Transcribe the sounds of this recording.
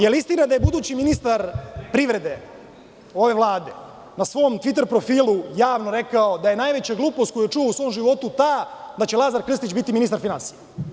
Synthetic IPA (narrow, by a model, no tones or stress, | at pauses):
jelist̪inad̪aje̞bud̪uːt͡ɕiminist̪aɾpɾiʋɾe̞d̪e̞ | o̞ʋe̞ʋlˠaːd̪e̞ | nasʋo̞mt̪ʋit̪̬e̞ɾpɾo̞fiːlujaːʋnoɾe̞kaod̪aje̞najʋe̞t͡ɕaɡluːpost̪koujet͡ʂuouso̞ːmʒiʋo̞t̪ut̪ad̪at͡ɕelˠazaɾkr̩st̪it͡ɕbit̪iminist̪aɾfinansije